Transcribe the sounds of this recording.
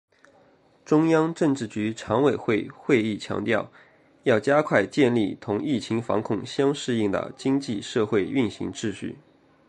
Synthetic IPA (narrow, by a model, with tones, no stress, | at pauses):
ʈ͡ʂʊ˥ŋjɑ˥ŋʈ͡ʂɤ˥˧ŋʈ͡ʂɻ̩˥˩t͡ɕy˧˥ʈ͡ʂʰɑ˧˥ŋwe˨˩ɪxwe˥˧ɪxwe˥˧ɪi˥˩t͡ɕʰjɑ̰˧˥ŋt̪jɑ˥˧ʊ | jɑ˥˩ʊt͡ɕja˥kʰwa˥˧ɪt͡ɕjɛ˥˧nli˥˩t̪ʰʊ˧˥ŋi˥˩t͡ɕʰi˧˥ŋfɑ̰˧˥ŋkʰʊ˥˩ŋɕjɑ˥ŋʂɻ̩˥˧i˥˩ŋd̪ə̰˩t͡ɕi˥ŋt͡ɕi˥˧ʂɤ˥˧xwe˥˧ɪy˥˩nɕḭ˧˥ŋʈ͡ʂɻ̩˥˧ɕy̰˥˩